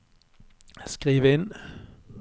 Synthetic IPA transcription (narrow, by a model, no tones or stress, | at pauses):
sɡ̥ʁiːʋəen